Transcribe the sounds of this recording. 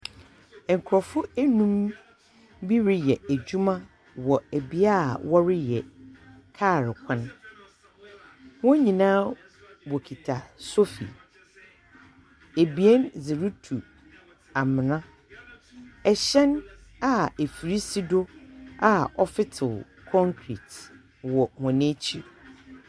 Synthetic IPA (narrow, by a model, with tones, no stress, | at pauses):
ɛ̃˨ŋ̩˨kʰɾɔ˨fʊ˦æ˦nũ˦m | bi˦ɾɪ˦jɛ˨æ˨d͡ʑu˦mã˦ | wɔ˨æ˨bi˨a˦˨wɔ˦ɾɪ˦jɛ̰˨kʰa˦˨ɾɪ˨kʷʰã˦n | wɔ̃˦ɲĩ˨nãː˦ | wo˨kʰi˨tʰa˨so˦fḭ˨ | e˨bi˨ɛ˦nzɪ˨ɾu˦tʰu˨ | a˨mɪ̃˨nã˦ | ɛ˨ɕɛ̃˦n | a˨e˨fi˨ɾi˦si˦dʊ˦a˨ɔ˦fɪ˦tʰɪ˨l | kʰɔ̃˦ŋkʰɾḭ˨t | wɔ˨hɔ̃˨nẽ˦t͡ɕʰi˦